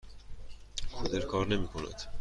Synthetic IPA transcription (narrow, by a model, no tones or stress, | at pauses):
xod̪eɾkʰɒːɾne̞miːkʰonæ̰d̪̥